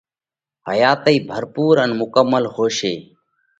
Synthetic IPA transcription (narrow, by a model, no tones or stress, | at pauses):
ɦəjaːt̪əiːbʱəɾpuːɾənmʊkəmːəlhoːʃeː